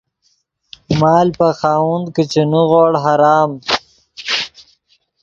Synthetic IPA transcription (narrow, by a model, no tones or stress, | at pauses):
mɑːlpaxɑːund̪kit͡ʃenuɣoɽɦaɾɑːm